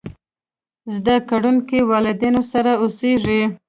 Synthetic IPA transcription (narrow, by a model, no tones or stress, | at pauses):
zd̪akaɽunkiwɑlɪd̪inosaɾaoseʐi